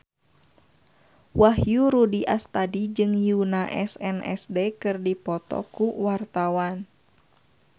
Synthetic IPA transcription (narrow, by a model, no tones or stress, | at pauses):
waɦjuɾudiʔast̪adid͡ʒɨŋjunaʔɛsɛnɛ̰sdɛkɨrdipɔt̪ɔ̰kuwart̪awan